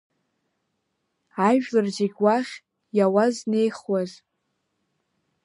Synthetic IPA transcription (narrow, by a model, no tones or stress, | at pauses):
aʒᶣlɨrd͡ʒiɡʲwaχʲ | jawazne̞jχwaz